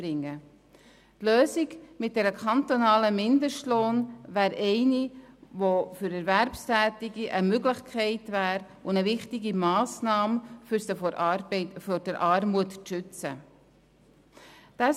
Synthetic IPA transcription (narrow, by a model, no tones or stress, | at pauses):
ɾɪŋːə | tløːsɪɡmɪt̚d̥ɛɾəkʰɑntonɑːləmɪndəʃtloːnvæːɾɛɪnivofʏɾɛɾvæɾpstæːtɪɡiʔəmøɡləχkʰɛɪtvæːɾ | ʊnəvɪχtɪɡimɑːsnɑːms | fɔɾdəɾʔɑːɾmuətʃʏt͡sə | d̥a